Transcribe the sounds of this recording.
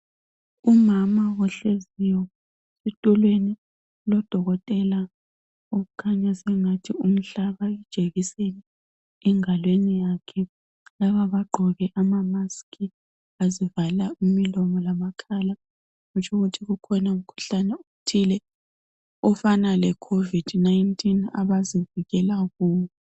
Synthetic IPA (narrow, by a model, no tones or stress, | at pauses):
umamawɔɬezijɔ | sitʼulweni | lɔd̥ʱɔɣɔtʼɛla | uɣukʰaɲasɛŋatʰium̩ɬaβaɛd̥ʒ̥ʱeɣisenɛ | ɛŋalwenijakʰɛ | laβaβaɡ͡ǃʱɔɣɛʔamamaskʰi | azivalaimilɔmɔlamakʰala | ɣut͡ʃʰʼoɣutʰiɣukʰɔnaum̩kʰu̥ɬanɛutʰilɛ | ɔfanalɛkʰovid̥naintʼʰina̰βaziviɣɛlaɣuːɲɛ